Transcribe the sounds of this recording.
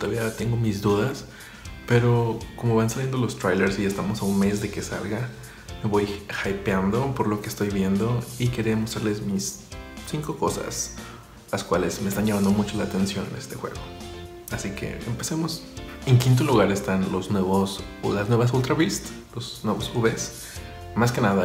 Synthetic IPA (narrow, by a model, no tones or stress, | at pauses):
t̪oðaβiat̪e̞ŋɡo̞mizðuðas | pe̞ɾo̞ko̞mo̞βansalje̞nd̪olo̞st̪ɾajleɾsiest̪amo̞saunme̞zðe̞ke̞sa̰lɣa | me̞βo̞jxajpand̪o̞po̞ɾlo̞keːst̪o̞jβje̞nd̪o̞ike̞ɾeamo̞st̪ɾaɾle̞smissiŋko̞ko̞sa̰s | laskwale̞zme̞est̪anʝamãnd̪omut͡ʃo̞laːt̪e̞nsjo̞ne̞̰st̪e̞xwe̞̰ɣo̞ | asike̞̰ḛmpe̞semo̞s | e̞ŋkint̪̬o̞luɣaɾe̞st̪anlo̞znweβos | laznwe̞βas̬ult̪ɾaβist̪ | losnwe̞βo̞suβes | maske̞naða